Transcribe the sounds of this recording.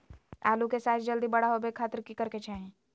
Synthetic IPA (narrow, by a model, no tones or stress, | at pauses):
a̰ːlukesaːt̪ʰd͡ʒəld̪ibɐɽaɦobekʰːaːt̪əɾkikɐɾket͡ʃaːɦĩ